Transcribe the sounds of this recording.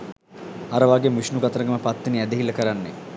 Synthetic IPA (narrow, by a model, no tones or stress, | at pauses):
aɾəʋaɡemiʃnuɡɐt̪əɾəɡəməpat̪ːiniæd̪eɦilːɐkəɾanːe